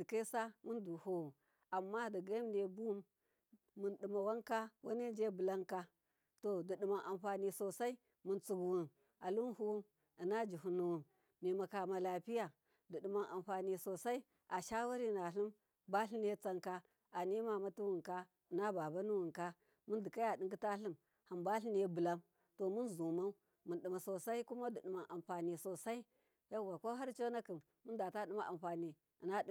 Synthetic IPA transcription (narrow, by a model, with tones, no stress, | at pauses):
di˨ke˦sa˦mu˦ndu˨ho˦wu˨ | a˨mːa˦di˨ɡa˦m˨ne˨bu˦mː | u˨nɗɨ˨ma˨wa˦ŋka˦wa˦ne˦d͡ʒe˦bɨ˨la˦ŋka˦ | to˨di˨ɗi˨ma˨nʔa˨mɸa˨ni˨so˨sa˦i˦ | mu˨nt͡su˨ɡu˨wu˨n | a˨lu˦nhu˦wu˦m | i˨na˦d͡ʒu˨hu˨nu˨wu˨n | ne˨ma˨ka˨ma˨la˨pi˦ja˨ | di˨ɗi˨ma˨nʔa˨mɸa˨ni˨so˨sa˦i˦ | ʔa˨ʃa˦wa˦ɾi˦˨na˨ɬi˦m | ba˦ɬi˦n˦e˦t͡sa˦ŋka˦ | a˨ni˦ma˨ma˦tu˦wu˨ŋka˦˨ | na˦ba˨ba˦nu˦wu˨ŋka˦ | mu˦ndi˨ka˦ja˨ɗi˦ŋɡi˦ta˦ɬi˦m | ha˨mba˦ɬi˦n˦e˦bɨ˨la˦m | to˨mu˦nzu˨ma˦ | mu˨nɗi˨ma˨so˨sa˦i˦ku˦ma˦di˨ɗi˨ma˨nʔa˨mɸa˨ni˨so˨sa˦i˦ | ja˦˨wa˨ko˦ɦa˦ɾt͡ʃo˦na˦kɨ˨m | mu˦nda˨ta˦ɗi˦ma˦ʔa̰˨mɸa˨ni˨ | i˨na˦